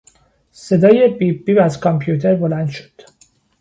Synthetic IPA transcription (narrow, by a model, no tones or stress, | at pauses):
se̞d̪ɒːjebibiːbæzkʰɒmpʰjut̪ʰeɾbolænd̪ʃo̥d̪̥